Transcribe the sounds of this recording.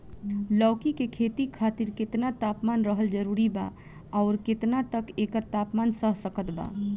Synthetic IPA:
lɔʊkikekʰet̪ikʰat̪iɾket̪nat̪apmanɾəɦəld͡ʒəɾuɾiba̰ | ɔʊɾket̪nat̪əkekəɾt̪apmansəɦsəkət̪ba̰

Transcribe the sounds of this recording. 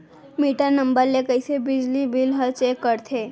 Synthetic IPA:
miʈanəmbəɾlekəjsebid͡ʑlibilɦət͡ɕekːəɾt̪ʰe

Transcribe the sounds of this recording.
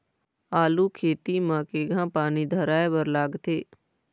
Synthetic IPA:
aːluːkʰeːt̪iːmãːkeːɡãːpaːniːd̪ʱəɾaːeːʋəɾlaːɡt̪eː

